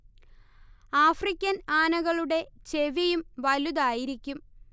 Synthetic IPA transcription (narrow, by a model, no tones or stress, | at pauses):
aːfrikʲːɐnaːnɐɣɐɭuɽe̞t͡ɕe̞ʋijumʋɐluðaːjiɾikʲːum